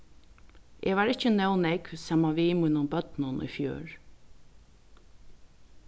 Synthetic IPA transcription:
ʔɛːʋaːɾɪcənɛwnɛksaːmaʋimʊnʊmbœt̪nʊnʔɔ̰jfjø̰ːɹ

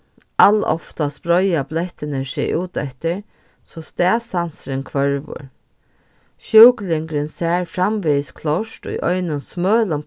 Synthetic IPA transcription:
ʔalɔ̰ft̪aspɾɔjablɛht̪ɪnɪsɛ̰jʔuːt̪ɛ̰ht̪ɪɹ | sɔst̪ɛːsansɾɪnkʰvœɹvʊ̰ɹ | ʃœwklɪŋkɾɪnsɛːɹfɾamʋeskʰlɔʂtʊ̰jʔɔʏnʊnsmœːlʊm

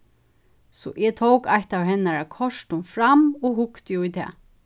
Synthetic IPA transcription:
sɔ̰ʔɛt̪ʰowkajht̪awɦɛnːaɹakʰɔʂt̪ʊnfɾamɔɦʊkt̪jʊjt̪ʰɛ̰ː

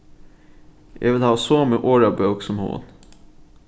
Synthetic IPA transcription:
ʔḛʋɪlhɑːosoːmeʔoːɹɑːbœːksɔmhṵːə̰n

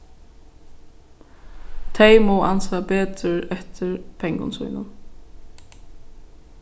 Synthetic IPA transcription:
t̪ʰejmowʔa̰nsapɛːt̪ɾɪɾɛht̪ɪɹpʰɛŋkʊ̰nsvṵjnʊ̰n

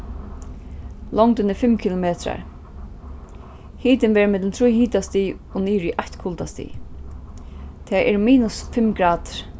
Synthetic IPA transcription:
lɔŋt̪ɪnɪfɪmkʰɪlʊmeːt̪ʰɾa̰ɹ | hiːt̪ɪnʋɛːɾmɪt̪lɪnt̪ʰɾujhiːt̪ast̪ij | ɔniːɾiʔaht̪kʰʊlt̪ast̪ḭː | t̪ʰɛːʔɛ̰ɹmiːnʊsfɪmɡɾaːt̪ɾ̥

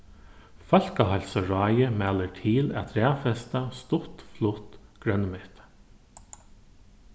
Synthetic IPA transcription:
fœl̥kaɦalsaɹɑːjəmæːləʈʰiːlæ̰t̪ʰɾæːfɛst̪ast̪ʊt̪flʊht̪ɡ̥ɾœnːmɛht̪

